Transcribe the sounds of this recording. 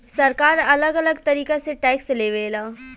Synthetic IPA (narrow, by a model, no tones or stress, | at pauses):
sɐɾkaːɾɐləɡɐləɡt̪ɐɾiːkeseʈɛːksleːʋeːlaː